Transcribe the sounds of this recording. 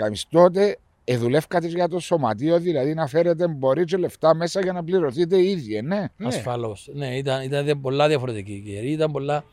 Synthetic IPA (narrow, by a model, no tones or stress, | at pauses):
ɐmist̪o̞t̪̬e̞ː | ðule̞fkɐt̪ezʝɐt̪o̞so̞mɐ̰t̪io̞ðilɐðinɐfe̞ɾe̞t̪̬e̞mbo̞ɾit͡ʃole̞ft̪ɐme̞sɐʝɐnɐpliɾo̞θit̪̬e̞iðiene̞ɐsfɐlo̞sneit̪ɐnit̪ɐnðembo̞lːɐðjɐfoɾet̪ikikeɾiit̪ɐmbolːɐ